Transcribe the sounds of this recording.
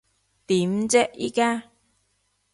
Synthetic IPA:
t̪iː˨˦mt͡sɛ˥ʔḭː˥kaː˥

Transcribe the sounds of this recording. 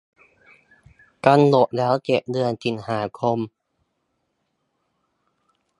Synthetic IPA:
ka˧nlo˨˩ʔ̚lɛː˦˥wt͡ɕe˨˩p̚dɯ˧ənsi˨˩nhaː˩˦kʰo˧m

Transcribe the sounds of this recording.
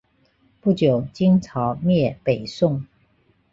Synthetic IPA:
pu˥˩t͡ɕjo˨˩ʊt͡ɕi˥ŋt͡sʰɑ˧˥ʊmjɛ˥˨pe˨˩ɪsʊ˥˨ŋ

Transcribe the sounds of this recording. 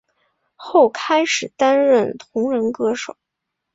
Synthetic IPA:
xo˥˩ʊkʰa˥ɪʂɻ̩˨˩t̪a˥nɻə˥˩nt̪ʰʊ˧˥ŋɻə˧˥nkɤ˥ʂo˨˩˦

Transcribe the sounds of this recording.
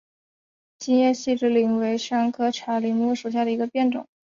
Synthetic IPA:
t͡ɕi˥njɛ˥˧ɕi˥˧ʈ͡ʂɻ̩˥˩li˧˩ŋwe˧˥ɪʂa˥ŋkʰɤ˥ʈ͡ʂʰa˧˥li˧˩ŋmu˥˩ʂu˨˩ɕja˥˩d̪ə˩i˧˥ɡə˧pjɛ˥˩nʈ͡ʂʊ̰˨˩˦ŋ

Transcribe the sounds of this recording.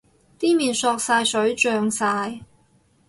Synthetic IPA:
t̪iː˥miː˨nsɔː˧k̚saː˧jsɵ˨˥ɥt͡ʃœː˧ŋsaː˧j

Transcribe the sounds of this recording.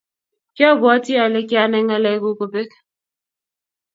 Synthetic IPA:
kjɔ˦˨bɔ˦ti˦a˨le˦kja˦nɛ˦ŋɛ˦lɛ˨˦ku˦ko˨pe˦k

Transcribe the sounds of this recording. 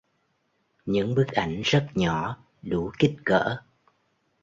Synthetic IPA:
ɲɨ̰˧˥ŋɓɨ˦˥k̚ʔa˧˩jŋ̟zə˦˥t̚ɲɔ˧˦ | ɗu˧˦ki˦˥t̚kə̰ː˧˥

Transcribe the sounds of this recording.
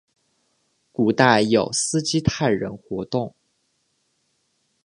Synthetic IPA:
ku˨˩t̪a˥˩ɪjo˨˩ʊsɹ̩˥t͡ɕi˥t̪ʰa˥˩ɪɻə˧˥nxwɔ˧˥t̪ʊ˥˩ŋ

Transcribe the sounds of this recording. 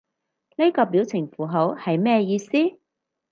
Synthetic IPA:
ne˥kɔː˧piː˨˥wt͡sʰɪ˨˩ŋfuː˨˩ɦo˨˥whɐ˨jmɛː˥jiː˧siː˥

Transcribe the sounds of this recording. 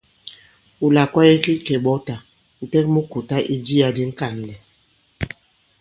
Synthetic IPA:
u˨la˨kwa˦jɛ˦ki˦kɛ˨ɓɔ˦ta˨ | n̩˨tɛ˦kmu˦ku˨ta˦ʔi˦d͡ʒi˦ja˨di˦ŋ̩˦ka˨n˨lɛ˨

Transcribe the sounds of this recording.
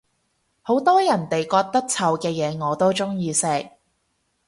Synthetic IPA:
ho˨˥wt̪ɔː˥jɐ˨˩nt̪e˨jkɔː˧k̚t̪ɐ˥k̚t͡sʰɐ˨˧wkɛː˧jɛː˨˧ŋɔː˨˧t̪o˥wt͡sʊ˥ŋjiː˧sɛː˧k̚

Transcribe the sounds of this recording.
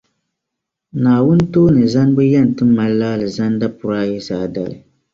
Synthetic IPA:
naː˨wʊ˦n˦toː˦nɨ˨za˦n˦bɨ˦ja˦˨n˨tɨ˦mːa˦llaː˦lɨ˨za˦n˦da˦pʊ˨ɾaː˦jɛ˦saː˨da̰˨lɨ̰˨

